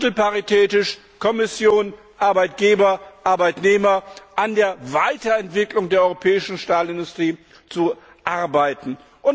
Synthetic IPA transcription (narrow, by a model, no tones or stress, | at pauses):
mtl̩paʁitʰɛːtɪʃ | kʰɔmɪsjoːn | ʔaɐbaɪtɡ̥eːbɐʔaɐbaɪtneːmɐʔandeːɐvaɪtɐɛntv̥ɪklʊŋdeːɐʔɔʏʁopʰɛːɪʃn̩ʃtaːlɪndʊstʁ̥iː | t͡su | ʔaɐbaɪtn̩ | ʔʊn